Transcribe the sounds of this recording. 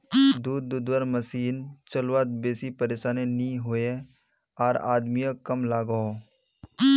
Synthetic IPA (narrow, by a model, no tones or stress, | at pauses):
d̪uːd̪ːuːd̪wəɾməsiːnt͡ʃəlwaːt̪̚beːsipəɾeːʃaːnenĩɦoːje | aːɾa̰ːd̪mijakəmlaːɡəɦo